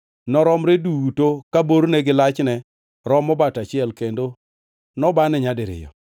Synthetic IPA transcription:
nɔɾɔmɾeduutokaboɾnɛɡɪlat͡ʃnɛ | ɾɔmːɔbatat͡ʃɪɛlkendo | nɔbanɛɲadɪɾɪ̰jɔ̰

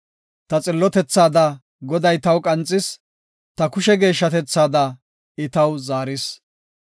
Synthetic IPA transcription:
t̪ɐt͡sʼɪlːɔt̪ɛt͡sːaːd̪ɐ | ɡɔd̪ɐjt̪ɐwkʼɐnt͡sʼːɪs | t̪ɐkʊʃɛɡe̞ːʃːɐt̪ɛt͡sːaːd̪ɐ | ɪt̪ɐwzaːɾɪs

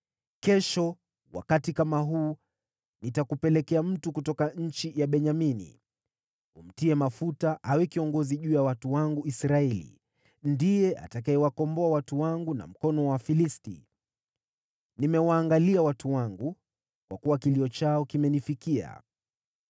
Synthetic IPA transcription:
kɛʃɔ | wa̰katikamaɦuː | nitakupɛlɛkɛam̩tukutɔkaɲ̩t͡ʃijaɓɛɲaminḭ | um̩tiɛmafutaʔawɛkiɔŋɡɔziʄuːjawatuwaŋɡuisɾaɛlḭ | ndijɛʔa̰takaɛwakɔmbɔawatuwaŋɡuna̰m̩kɔnɔwafilistḭ | nimɛwaːŋɡaliawatuwaŋɡu | kwa̰kuwakiliɔt͡ʃaɔkimɛnifikia̰

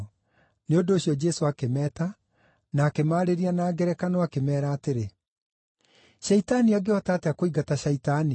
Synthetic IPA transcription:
neondoːɕjɔd͡ʒɛsoakemɛːta | naːkemaːɾeɾianaːɡɛɾɛkanoakemɛːɾaːteɾe | ʃɛitaniaɡeɔtaːteakoiɡataʃaitani

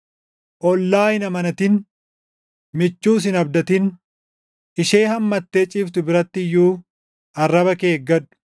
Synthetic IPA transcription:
ʔɔlːaːjɪnɐmɐnɐt̪ɪn | mɪt͡ʃːuːs̬ɪnɐbd̪ɐt̪ɪn | ɪʃe̞ːhɐmːɐt̪ːeːt͡ʃʼɪːbt̪ʊbɪɾɐt̪ːɪjːuː | ɐrːɐbɐke̞ːɡːɐᶑʊ̥

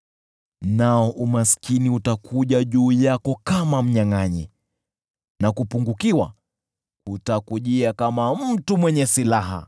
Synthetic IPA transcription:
naɔʔumaskiniutakʰuʄaʄuːjakɔkamam̩ɲaŋaɲɛ | nakupuŋɡukiwa | kutakuʄiakamam̩tumwɛɲɛsilaɦa̰

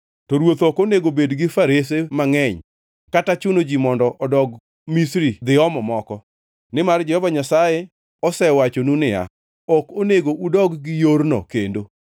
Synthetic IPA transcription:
tɔɾwot̪ɔkoneɡobedɡɪfaɾes̬emaŋɛɲ | katat͡ʃʊnod͡ʒimɔndɔʔɔdɔɡ | misɾid̪ɪɔmɔmɔkɔ | nɪmard͡ʒɛhɔvaɲasaje | ɔsɛwat͡ʃonunɪja̰ | ɔkoneɡoʔudɔɡːɪjoɾnɔ̰kendo

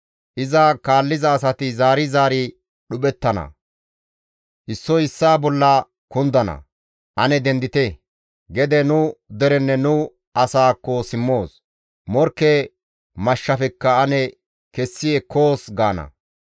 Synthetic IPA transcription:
ʔɪzɐkaːlːɪzɐːsɐt̪ɪzaːɾɪzaːɾɪ | ɗʊɓɛt̪ːɐnɐ̰ | ʔɪsːɔɪsːaːbɔlːɐ | kʊnd̪ɐnɐ̰ | ʔɐnɛd̪ɛnd̪ɪt̪ɛ | ɡɛd̪ɛnʊd̪ɛɾɛnːɛnʊ | ʔɐsaːkːɔsɪmːo̞ːs | mɔɾkːɛ | mɐʃːɐfɛkːɐɐnɛ | kɛsːɪjɛkoːsɡaːnɐ̰

